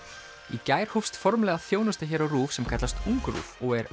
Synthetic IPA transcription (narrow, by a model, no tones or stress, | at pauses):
icaːjɾ̥hufst̪fɔɾmlɛɣaθjoːwnʏst̪açɛːɾawruːfsɛmkʰat̪last̪uŋkɾṵːvɔɣɛɾ